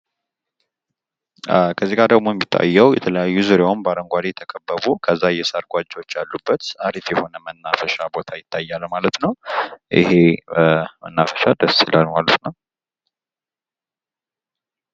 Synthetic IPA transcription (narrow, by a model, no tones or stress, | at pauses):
kʰəzːiɡad̪əɡmo̞jɛmːit̪ʰːa̰jːəwjɛ̰t̪ʰələjajːuzɨɾjawnbaɾəŋɡʷaɾit̪ʰəkʼəbːəβukʰəzːajɛsəɾɡʷad͡ʒːot͡ʃːalːubːət̪aɾifjɛho̞nəmənːafəʃabo̞t̪ʰajɪt̪ʰːajːalmalət̪nəwʔɪ̰he̞ | mə̰nːafəʃad̪əsɨlalmalət̪nəw